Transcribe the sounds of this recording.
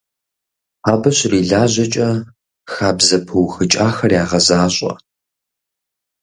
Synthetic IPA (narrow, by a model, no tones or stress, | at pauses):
aːbɐɕriːɮaːʑɐt͡ʃʼɐ | xaːbzɐpʰɨwxɨt͡ʃʼaːxɐrjaːʁɐzaːɕʷʼɐ̰